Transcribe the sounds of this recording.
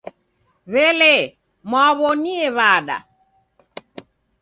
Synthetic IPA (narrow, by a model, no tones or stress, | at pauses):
βɛlɛ | mwaβɔniɛβaɗa̰